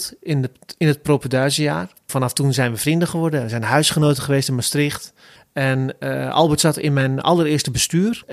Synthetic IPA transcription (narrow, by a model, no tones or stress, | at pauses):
tnɪnət̚propədœːzəjaːr | fanaftunzɛjnʋəfrindəχəʋɔrdəʋəzɛjnɦœɥsχənoːtəχəʋeːstɪnmastrɪxt | ɛnʔɔ̰lˠbətsatɪ̰nmɛjnɑ̰lˠərɪəstəbəstyːər